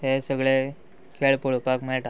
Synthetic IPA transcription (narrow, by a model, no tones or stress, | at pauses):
tesəɡɭe | kʰeɭpuɭpakmeɭʈa